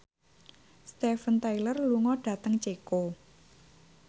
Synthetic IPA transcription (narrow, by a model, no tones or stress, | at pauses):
st̪efənt̪ajlərluŋɔɖ̥ä̤t̪əŋt͡ʃeko